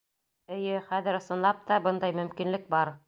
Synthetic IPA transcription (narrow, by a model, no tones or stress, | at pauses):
ɘ̆jɘχæðɘ̆ɾŏsɤ̆nlˠɑp̚t̪ɑbɤnd̪ɑjmɵ̆mkinlɘk̚bɑɾ